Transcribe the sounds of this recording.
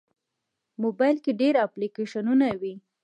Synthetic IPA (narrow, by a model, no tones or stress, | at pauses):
mobajlkeɖeɾaplikeʃanunawi